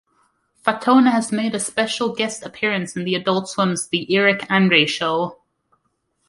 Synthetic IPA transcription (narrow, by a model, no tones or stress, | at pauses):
fatʰoːnəːzmeɪɾəspɛʃəlˠɡɛstəpʰɪəɹə̃nsɪ̃nðiədʌlˠtswʌ̃mzðiʔɪɹɪkʰãnɹeɪʃolˠ